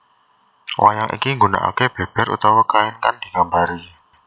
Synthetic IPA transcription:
wʔa̰jaŋʔḭkiŋɡuna̰ʔa̰keb̥e̤b̥ɛ̤ɾṵt̪awakaɛnkand̪̥i̤ɡambaɾi

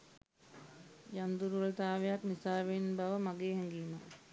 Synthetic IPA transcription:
jand̪uɾult̪aːʋejaknisaːʋenbaʋəmaɡeːɦɛŋɡiːma

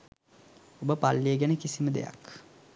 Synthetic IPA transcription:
obəpalːieɡænəkisiməd̪ḛja̰k

